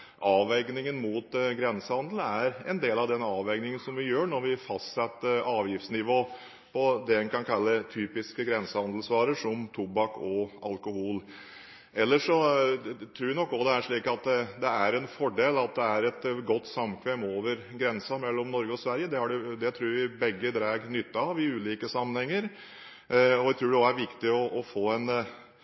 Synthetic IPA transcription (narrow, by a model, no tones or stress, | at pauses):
ʔɑːʋɛɪɡnɪŋənmuːt̪ɡɾɛnsəhɑnd̪l̩æɾɛnd̪eːlɑʋd̪ɛnɑːʋɛɪɡnɪŋənsɔmʋɪjøːɳɔɾʋɪfɑst̪sɛt̪ːəɾɑːʋjɪft̪snɪʋoː | pʰɔd̪ɛɛnkʰɑnkʰɑlːət̪ʰyːpɪskəɡɾɛnsəhɑnd̪l̩sʋɑːɾəʂɔmt̪ʰʊbɑkɔɑlkʊhuːl | ɛlːəʂɔ | t̪ʰɾuːʋɪnɔkːɔd̪ɛæʂɭiːkɑt̪̚d̪ɛd̪ɛæɾɛnfɔɖeːlɑt̪̚d̪ɛæɾɛt̪ɡɔt̪ːsɑmːkʰʋɛmoːʋəɾɡɾɛnsɑmɛlːɔmnɔɾɡəɔsʋæɾjəd̪ɛhɑɖɛd̪ɛt̪ʰɾuːɾʋɪbɛɡːəd̪ɾæːɡnʏt̪ːɑɑʋɪʉːliːkəsɑmːənhɛŋːəɾ | ɔʋæt̪ʰɾʉːɖɛɔæɾʋɪkt̪ɪɔʔɔfoːɛn